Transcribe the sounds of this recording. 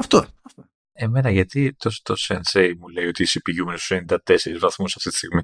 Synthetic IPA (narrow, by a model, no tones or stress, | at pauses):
ɐft̪oɐft̪o | e̞me̞nɐʝɐt̪it̪ost̪osensejmule̞io̞t̪isipiʝumenest̪usenind̪ɐt̪e̞se̞ɾizvɐθmusɐft̪it̪i̥st̪iɣmi